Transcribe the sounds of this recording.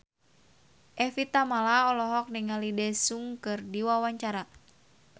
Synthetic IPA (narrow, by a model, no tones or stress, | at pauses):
ʔɛfit̪amalaɔlɔɦɔk̚niŋalidɛsuŋkɨrdiwawaɲt͡ʃaɾa